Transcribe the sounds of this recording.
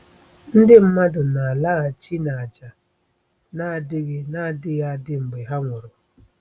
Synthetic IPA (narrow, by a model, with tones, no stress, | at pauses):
n̩˦dɪ˦m̩˦ma˦dʊ˨na˨a˨la˦ɣa˨t͡ʃi˦na˨a˨d͡ʒa˨ | na˦a˨dɪ˦ɣɪ˦na˦˨dɪ˦ɣa˦dɪ˦ŋ͡m̩˨ɡ͡be˨ɦa˦ŋʷʊ˨ɾʊ˨